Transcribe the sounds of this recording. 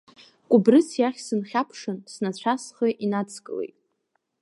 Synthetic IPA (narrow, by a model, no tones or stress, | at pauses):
kʷʼʊbrɨt͡sʰjaχʲsɨnχʲapʰʂɨnsnat͡ɕʷʰasχəʔinat͡sʰkʼɨ̰lḛjtʼ